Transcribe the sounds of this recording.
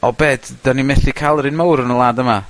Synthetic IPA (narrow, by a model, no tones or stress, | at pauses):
ɔbɛːd̥d̥animɛθikʰalˠəɾɪnmawɾənəlˠaːdəma